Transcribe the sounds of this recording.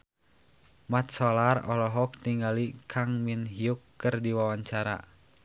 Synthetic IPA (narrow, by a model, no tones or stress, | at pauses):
mat̪̚sɔlarɔlɔɦɔk̚t̪iŋɡalikʰaŋminɦiukːɨrdiwawaɲt͡ʃaɾa̰